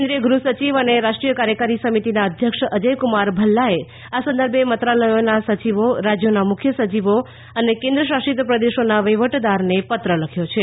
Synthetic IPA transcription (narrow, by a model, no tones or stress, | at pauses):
nd̪ɾijəɡɾusət͡ʃiʋəneɾaʃʈɾijəkaɾjəkəɾisəmit̪inaəd̪ʱjəkʃəd͡ʒəjkumaɾbʱəlːae | asə̃nd̪əɾbʱemət̪ɾaləjonasət͡ʃiʋoɾad͡ʒjonamʊkʰjəsət͡ʃiʋo | ənekẽnd̪ɾəʃaʃit̪pɾəd̪eʃonaʋəjʋəʈd̪aɾnepət̪ɾələkʰjot͡ʃʰe